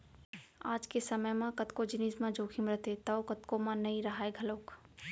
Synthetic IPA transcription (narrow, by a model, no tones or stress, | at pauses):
a̰ːd͡ʒkesɐməjmãkɐt̪kod͡ʒɪniːsmãd͡ʒoːkʰimɾət̪ʰet̪ɐokɐt̪komãnɐiɾɐɦaːeɡʱɐloːk